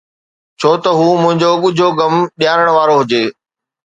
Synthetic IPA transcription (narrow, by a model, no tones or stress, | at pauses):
t͡ɕʰoːt̪ɐɦuːmʊ̃ɦɪ̃ɲd͡ʑoɠʊd͡ʑʱoɡɐmɗjaːɾəɽ̃ʋaːɾoɦʊd͡ʑeː